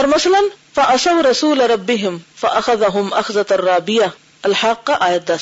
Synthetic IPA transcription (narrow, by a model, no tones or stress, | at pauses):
ɑɾˤmasalanfaʔɑsˤawɾˤɑsuːlɾˤɑbːɪɦɪmfaʔaxaðaɦʊmʔaxzarˤːɑːbɪja | ʔalħɑːqːʔajat̪̚d̪aː